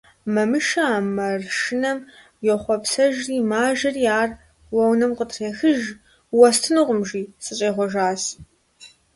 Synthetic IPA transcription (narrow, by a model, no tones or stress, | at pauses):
mɐmɨʃɐaːmɐrʃɪnɐm | jɛχʷɔpsɐʒriːmaːʒɐriaːr | wɐwnɐmqətʰreːxɨʒ | wɐstʰɨnɨʁʷʊmʒiːsɨɕʼeːʁʷɔʒaːs